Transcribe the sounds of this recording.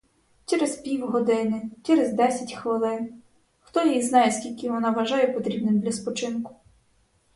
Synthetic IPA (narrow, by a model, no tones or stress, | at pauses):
t͡ʃɛɾespʲiwɦɔd̪ɪnɪt͡ʃɛɾezd̪ɛsʲɐtʲxʋɪlˠɪn | xt̪ɔjijznɑjesʲkʲilʲkɪʋɔnɑʋɐʒɑjɛpɔt̪ɾʲibnɪmd̪lʲɐspɔt͡ʃɪnkʊ̥